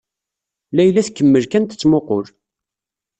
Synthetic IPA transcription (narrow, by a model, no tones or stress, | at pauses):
læjlæθkːəmːəlkænt̪ə̥t͡sːmoqʊɾ